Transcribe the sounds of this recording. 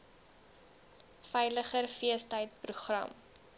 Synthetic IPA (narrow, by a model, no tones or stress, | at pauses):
fɛjləχərfiəstəjt̚pruχrɐ̰m